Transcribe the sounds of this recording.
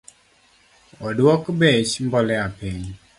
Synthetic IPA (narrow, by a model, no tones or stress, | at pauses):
ɔdwɔkbɛt͡ʃmbɔlɛapiɲ